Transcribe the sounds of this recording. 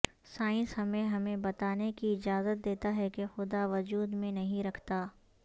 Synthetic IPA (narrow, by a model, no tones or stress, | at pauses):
saːɪ̃nsɦɐmẽɦɐmẽbɐt̪aːnekiɪd͡ʒaːzət̪̚d̪eːt̪aɦɛkexʊd̪aʋɐd͡ʒuːd̪mẽnɐɦĩɾɐkʰt̪aː